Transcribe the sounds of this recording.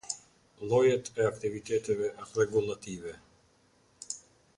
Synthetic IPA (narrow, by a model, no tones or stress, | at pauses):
lˠɔjɛt̪ʰɛakt̪ivit̪ɛt̪ɛvɛʔrɛɡulˠat̪ivɛ